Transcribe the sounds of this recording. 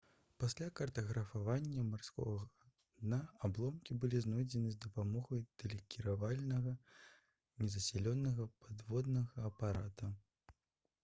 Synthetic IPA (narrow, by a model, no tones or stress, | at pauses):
pasʲlʲakɐrt̪ɐɣɾɐfavanʲːɐmarskɔ̰ɣɐ | d̪naablˠɔmkʲibɨlʲiznɔjd͡zʲɛnɨzʲd̪ɐpamɔɣɐjd̪̥ɛlʲikʲiɾavalʲnɐɣɐ | nʲɛzɐsʲɛlʲɔnːɐɣɐpad̪vɔd̪nɐɣɐːpaɾat̪ɐ